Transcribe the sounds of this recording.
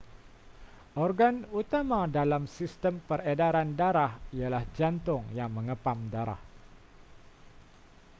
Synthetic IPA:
ʔɔrɡanut̪amadalamsist̪əmpəredaɾandaɾahialahd͡ʒant̪ʊŋjaŋməŋəpamdaɾa̰h

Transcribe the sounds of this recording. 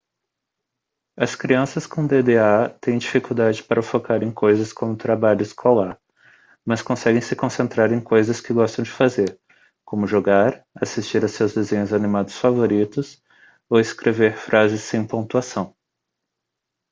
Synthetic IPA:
ɐskɾiɐ̃sɐskõd̪ed̪eat̪ẽj̃d͡ʒifikuwd̪ad͡ʒɪpaɾɐʊfokaɾẽj̃kʰojzɐskõmʊt̪ɾabaʎʊɪskʰolaɾ | mɐskõsɛɡẽj̃sɪkõsẽnt̪ɾaɾẽj̃kojzɐskɪɡɔst̪ɐ̃w̃d͡ʒɪfazeɾ | kõmʊʒoɡaɾ | asist͡ʃiɾɐwsewzd̪ezẽɲʊzanimad̪ʊsfavoɾit̪ʊs | owɪskɾeveɾfɾʔazɪsːẽj̃põt̪uasɐ̃w̃

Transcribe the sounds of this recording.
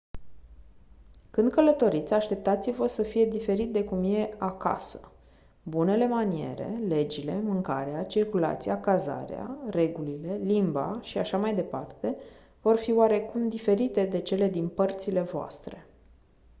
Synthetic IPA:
kɨnd̪kələt̪o̞ɾit̪sʲaʃt̪e̞p̚t̪at̪sivəsəfije̞d̪ife̞ɾit̪̚d̪e̞kumje̞aka̰sə̥ | bune̞le̞manie̞̰ɾe̞̰le̞d͡ʒile̞mɨŋka̰ɾeat͡ʃirkula̰t̪sijakaza̰ɾḛa̰re̞ɡulile̞limba̰ʃiaʃamajd̪e̞pa̰rt̪e̞ | vo̞rfioaɾe̞kumd̪ife̞ɾit̪e̞d̪e̞t͡ʃe̞le̞d̪inpərt̪sile̞voa̰st̪ɾe̞

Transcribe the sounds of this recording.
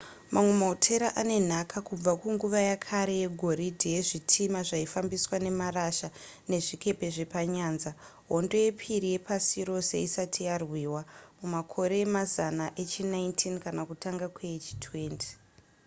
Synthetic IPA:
mamwe̞maotʰe̞ɾaʔane̞n̤akʰakub͡vakuŋɡuʋajakʰaɾe̞jeɡʱo̞ɾidʱije̞ʐitʰimaʐaifambiswane̞maraʃane̞ʐike̞pe̞ʐe̞paɲaːnza | ɦo̞ndo̞je̞pʰiɾije̞pasiɾo̞se̞̰isatʰijarwiwamumakʰo̞ɾe̞ːmazanaʔe̞t͡ʃinaintʰinkanakutʰaŋɡakwet͡ʃi̥tʰwe̞ːntʰi̥

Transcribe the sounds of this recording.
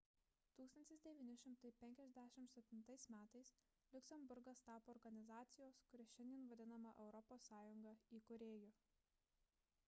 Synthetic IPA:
t̪uːkst̪ɐnʲt̪ʲɪsd̪ʲɛʋʲiːnʲɪʃʲɪmt̪ɐɪpʲɛŋʲkʲɛzʲd̪ʲæʃʲɪmt̪sʲɛpʲt̪ʲɪnt̪ɐɪsmʲæːt̪ɐɪs | lʲʊkʲsʲɛmbʊɾɡɐst̪ɑːpoːɾɡɐnʲɪzɑːt̪sʲɪjoːskʊɾʲɛʃʲɛnʲd̪ʲiɛnʋɐd̪ʲɪnɐmɐʔɛʊɾɔpoːsːɑːjʊŋɡɐiːkʊɾʲeːjʊ

